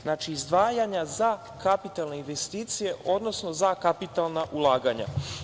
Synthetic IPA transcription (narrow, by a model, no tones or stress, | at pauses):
naːt͡ʃiːzd̪ʋaːjaɲaza | kapit̪alˠne̞inʋest̪iːt̪sije̞ʔo̞d̪no̞sno̞zakapit̪alˠnaʔulˠaːɡaɲa̰